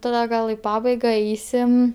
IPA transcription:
tɐˈdɐ ˈɡɐlˠ ɪ ˈpɑːbɐɪɡɐ ˈɛɪsʲɪm

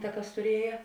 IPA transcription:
tɐ ˈkɐs tʊˈrʲiɛjɛ

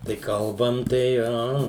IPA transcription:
tɐɪ ˈkɐlˠbɐm tɐɪ ˈɐ

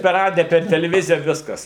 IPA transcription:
pʲɛr ˈrɑːdʲɪjɛ pʲɛr tʲɛlʲɛˈʋʲɪzʲɪjɛ ˈʋʲɪskɐs

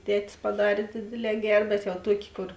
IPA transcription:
ˈtʲæːtʲɪs pɐˈdɑːrʲeː ˈdʲeːdʲeːˌlʲɛː ˈɡʲɛr bʲɛt jɛʊ ˈtuɔkʲeː ˈkoːr

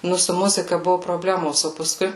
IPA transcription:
ˈnʊ sʊ ˈmʊzʲɪkɐ ˈbʊʋʊ proːˈbʲlʲæːmoːs oː pɐˈskʊɪ

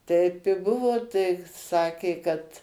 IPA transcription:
ˈtɐɪp ɪ ˈbʊʋoː tɐɪ ˈsɑːkʲeː kɐt

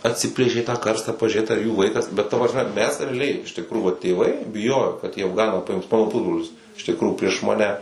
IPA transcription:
ɐtʲˈsʲɪpʲlʲeːʃʲeː tɑː ˈkɐrstɑː pɐʒʲʊˈrʲeːt ɐr juː ˈʋɐɪkɐs bʲɛt tɐ prɐsʲˈmʲɛ mʲɛs rʲɛɐˈlʲɛɪ ɪʃ tʲɪkˈruːjuː ʋɐt tʲeːˈʋɐɪ bʲɪˈjoːjoː kɐt iː ɐfˈɡɑːnɑː pɐˈɪms ˈmɑːnoː ˈpʊzbroːlʲɪs ɪʃ tʲɪkˈruːjuː pʲrʲiɛʃ mɐˈnʲɛ

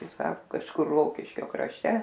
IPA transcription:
ˈtɐɪ ˈsɑːkʊ kɐʃˈkʊr ˈroːkʲɪʃʲkʲoː krɐʃʲˈtʲɛ

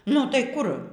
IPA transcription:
nʊ tɐɪ ˈkʊr

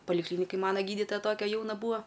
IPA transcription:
pɐlʲɪˈklʲiːnʲɪkɐj ˈmɑːnɐ ˈɡʲiːdʲɪtoːjɛ ˈtoːkʲɛ ˈjɛʊnɐ ˈbuːɐ

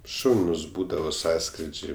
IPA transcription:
ˈʃɐʊnʊs ˈbuːdɐʋoː ˈsɑːskrʲɪd͡ʒʲɛɪ

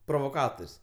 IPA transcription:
proːʋoːˈkɑːtoːrʲsʲ

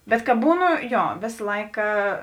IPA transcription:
bʲɛt kɐ ˈbuːˌnʊ ˈjoː ˈʋʲeːs ˈlˠɐɪkɐ

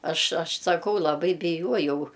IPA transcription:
ˈɐʃ ˈɐʃ sɐˈkɐʊ lˠɐˈbɐɪ bʲɪˈjuɔjɛʊ

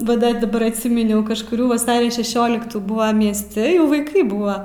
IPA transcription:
ʋɐ ˈdɐ dɐˈbɐr ɐtʲˈsʲiːmʲɪnʲɛʊ kɐʃkʊˈrʲuː ʋɐˈsɑːrʲoː ʃʲɛˈʃʲoːlʲɪktuː ˈbuːʋɐm mʲiɛsʲˈtʲɪ jɛʊ ʋɐɪˈkɐɪ ˈbuːʋɐ

